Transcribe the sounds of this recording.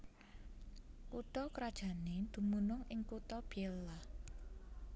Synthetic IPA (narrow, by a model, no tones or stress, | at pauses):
kut̪ɔkɾad̥ʒ̥a̤ned̪̥ṳmunʊŋʔɪŋkut̪ɔb̥elːa